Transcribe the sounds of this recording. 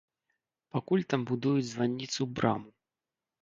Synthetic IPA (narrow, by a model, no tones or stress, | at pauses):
pakulʲt̪ambud̪ujud͡zʲzvanʲːit̪sɨbɾʔa̰mu